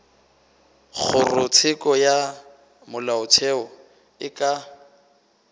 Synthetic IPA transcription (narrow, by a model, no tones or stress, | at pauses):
k͡xʰʊrʊt͡sʰɪkʼɔja | mʊlaʊt͡sʰɛɔ | ɪkʼa